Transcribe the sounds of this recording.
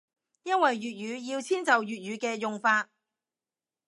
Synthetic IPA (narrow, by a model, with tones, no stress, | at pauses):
jɐ˥nwɐ˨jɥyː˨t̚jyː˨˧jiː˧wt͡sʰiː˥nt͡sɐ˨wjyː˨t̚ɥyː˨˧kɛː˧jʊ˨ŋfaː˧t̚